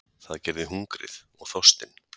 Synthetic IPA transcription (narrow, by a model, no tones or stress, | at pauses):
θaðcɛɾðɪɦuŋkɾɪ̰θɔɣθɔst̪ɪn